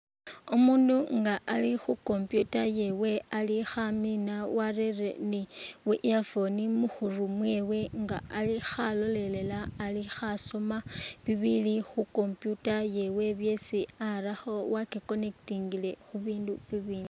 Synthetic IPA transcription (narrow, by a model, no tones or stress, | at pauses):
omuːnduŋɡaʔalixuko̞mpjutaje̞we̞alixaminawarerḛniwiʔafo̞nimuxurumwe̞ːwe̞ŋɡaːlixalo̞le̞le̞laːlixaso̞maβiβilixuko̞mpjutaje̞we̞βje̞siaɾaxo̞wakiko̞ne̞ktiŋɡile̞xuβiːnduβiβiːndu